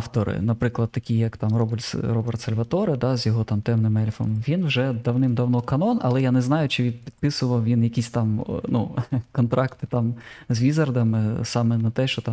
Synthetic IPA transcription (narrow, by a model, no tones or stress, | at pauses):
ft̪ɔɾɪ̰nɐpɾɪklˠɐd̪̚t̪ːɐkʲijɐkt̪ɑmrɔbʲɾɔbɛrt̪sɐlʲʋɐt̪ɔɾɪd̪ɑzjɔɦɔt̪ɑmt̪ɛmnɪmɛlʲfɔ̰mʋʲinwʒɛd̪ɐwnɪmd̪ɐwnɔkɐnɔnɐ̰lˠɛjanɛznɑjʊt͡ʃɪʋʲid̪pʲid̪̥̚pɪsʊʋɐwʋʲinjɐkʲisʲt̪ɑmnukɔnt̪ɾɑkt̪ɪ̥t̪ɑmzʲʋʲizɐrd̪ɐmɪsɑmɛnɐt̪ɛʃt͡ʃɔt̪ɑm